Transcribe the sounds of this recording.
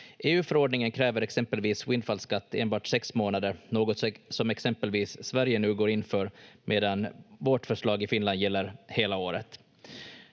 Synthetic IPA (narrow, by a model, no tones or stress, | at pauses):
ʔeːʉ̟ːfœɾoːɖɳɪŋənkʰɾɛːvəɾɛksɛmpəlviːswɪnd̪falskat̪ːeːnbɑːʈsɛksmoːnad̪əɾnoːɡɔt̪sɔmɛksɛmpəlviːsːvæɾjənʉ̟ːɡoːɾɪnfœːɾmʔeːd̪anvoːʈfœʂɭɑːɡɪfɪnland̪jɛlːəɾheːlaoːɾə̰t̪